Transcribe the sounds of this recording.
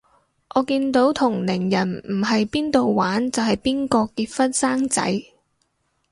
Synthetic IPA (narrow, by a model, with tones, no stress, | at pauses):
ʔɔː˨˧kiː˧nt̪o˨˥wt̪ʰʊ˨˩ŋlɪ˨˩ŋjɐ˨˩nmm̩˨˩ɦɐ˨jpiː˥nt̪o˨wwaː˨˥nt͡sɐ˨whɐ˨jpiː˥nkɔː˧kiː˧t̚fɐ˥t̚saː˥ŋt͡sɐ̰˨˥j